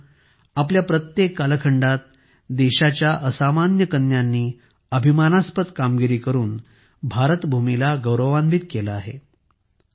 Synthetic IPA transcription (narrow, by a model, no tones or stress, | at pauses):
apljapɾət̪jekːaləkʰəɳɖat̪̚ | d̪eɕat͡ɕjaʔəsamanjəkənjanːiː | əbʱimanaspət̪kamɡiɾiːkəɾuːn | bʱaɾət̪bʱumilaɡəwɾəʋanbʱiːt̪̚kelaːɦḛ